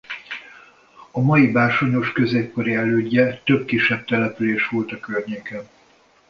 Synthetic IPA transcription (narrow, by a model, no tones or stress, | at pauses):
ɒmɒjibaːrʃo̞ɲo̞ʃkø̞zeːpkoɾiɛløːɟːɛt̪ø̞bkiʃːɛb̚t̪ɛlɛpyleːʃʋo̞lt̪ɒkørɲeːkɛn